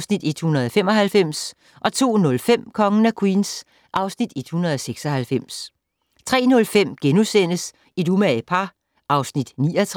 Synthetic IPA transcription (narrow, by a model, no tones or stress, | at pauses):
snid̥ed̥hunɐð̞ˠɒfem̰ɒ̽hælfem̰s | ʔɒ̽t͡sʰo̝̰ːnɔ̽lfem̰kʰɒ̽ŋənækʰwiːns | ʔɑ̈ʊsnid̥ed̥hunɐðˠɒ̽seɡ̥sɒ̽hælfem̰s | t͡sʰʁɛ̰ːnɔ̽lfem̰ɡ̥enusen̰əs | id̥umæpʰɑ | ʔɑ̈ʊsnid̥niːɒt͡sʰ